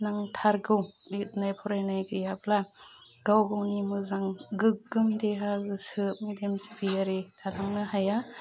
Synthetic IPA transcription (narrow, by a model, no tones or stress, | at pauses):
naŋtʰaɾɡɯwit̚najpʰɔɾajnajɡɯjabla | ɡ̥awɡɯwnimɯzaŋɡɯkɡɯmdeɦaɡɯsɯp̚midemzi̥pʰijaɾedʰalaŋnɯɦaja